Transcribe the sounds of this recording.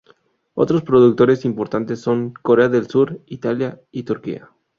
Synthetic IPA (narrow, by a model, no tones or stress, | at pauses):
o̞̰t̪ɾo̞spɾo̞ðuk̚t̪o̞ɾe̞simpo̞ɾt̪ant̪e̞sːo̞ŋkoɾeaðe̞lsuɾit̪aljait̪uɾkḭa̰